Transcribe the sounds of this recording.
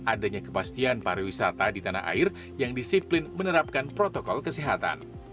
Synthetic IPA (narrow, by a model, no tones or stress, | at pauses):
ʔadaɲakə̥past̪ianpaɾawisat̪adit̪ana̰ɦʔa̰ɪr | jaŋdisiplɪnmənəɾap̚kanpɾot̪okɔlkəsiɦat̪a̰n